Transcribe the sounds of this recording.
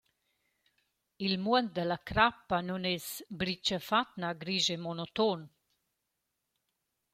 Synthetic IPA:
ilmuənt̪̚d̪əlakɾapːanunesbɾit͡ʃəfat̪naɡɾiʒemonot̪on

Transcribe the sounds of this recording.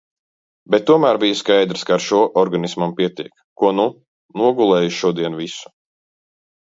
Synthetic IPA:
bet̪̚ːuɔmæːɾbijaskajd̪ɾskaːɾʃuːɔʔɔɾɡanismampiɛt̪iɛk | kuɔnu | nuɔɡulˠɛːjuʃuɔd̪iɛnvisu̥

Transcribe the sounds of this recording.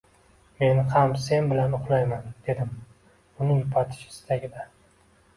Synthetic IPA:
me̞nhamse̞nbɪlanʊqlˠajmand̪̥e̞d̪ɪm | ʊnɪjʊpʰat̪ʰɪ̥ʃɪ̥st̪ʰaɡʲɪd̪a

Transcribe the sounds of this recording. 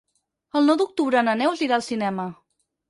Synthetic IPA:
əlˠnɔwd̪uk̚t̪uβɾəːnənɛwzliɾalˠsinɛmə

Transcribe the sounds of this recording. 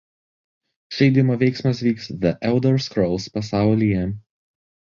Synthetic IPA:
ʃʲɛɪd̪ʲɪmoːʋʲɛɪksmɐs̬ʋʲiːksðɐʔɛld̪ɔɾskɾɔlˠspɐsɑˑʊlʲijɛ

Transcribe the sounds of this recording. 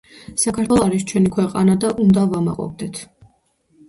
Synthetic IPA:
sakʰaɾt̪ʰwɛlˠɔaɾist͡ʃʰwɛnikʰwɛqʼa̰nad̪aʔund̪avama̰qʼɔ̰v̚d̪ɛt̪ʰ

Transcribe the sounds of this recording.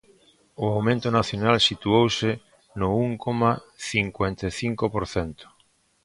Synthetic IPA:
ʊawmẽnt̪ʊnaθjonalsit̪uowsɪ | nʊuŋkoma | θiŋkwent̪eθiŋkopoɾθɛnt̪ʊ̥

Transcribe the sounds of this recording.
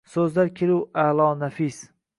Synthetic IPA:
sɵzlaɾkʲʰeluwalˠɒːnafis

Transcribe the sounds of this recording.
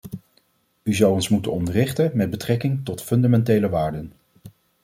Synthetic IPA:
yzɑwɔnsmutənɔndərɪχtəmɛd̚bətrɛkɪŋtɔtfɵndamɛntejləʋaːɹdən

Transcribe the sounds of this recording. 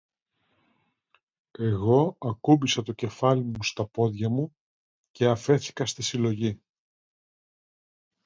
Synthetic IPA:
e̞ɣo̞ɐkubisɐt̪o̞ce̞fɐlimust̪ɐpo̞ðʝɐmu | ce̞ɐfe̞θi̥kɐst̪isilo̞ʝi

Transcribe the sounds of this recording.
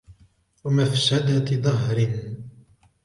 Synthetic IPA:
wamafsad̪at̪ɪðˤɑɦɾɪn

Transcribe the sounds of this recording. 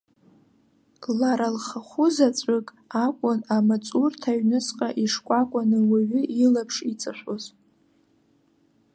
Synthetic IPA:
laɾalχaχʷʊzat͡sʷʼɨkʼ | akʷʼʊnamat͡sʼurtʰaɥnɨsqʼaʔiʂkʷʼakʷʼanɨwaɥʊʔilapʰʂit͡sʼaʃʷoz

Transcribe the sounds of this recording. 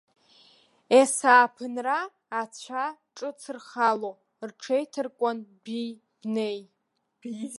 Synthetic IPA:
esaːpʰɨnraː | t͡ɕʷʰaʈ͡ʂʼɨt͡sʰɨrχalo | rʈ͡ʂʰejtʰɨrkʷʼanbij | b̥nej

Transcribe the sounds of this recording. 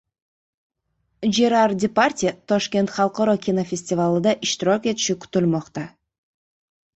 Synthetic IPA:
d͡ʒeɾardʲɪparʲtʲit̪ʰoʃkʲe̞nt̪χɑlˠqoɾokʲinofʲɪsʲtʲɪvalˠɯd̪ɑʔiʃt̪iɾoːkʲe̞t̪i̥ʃyky̥t̪ylmoqt̪ɑ

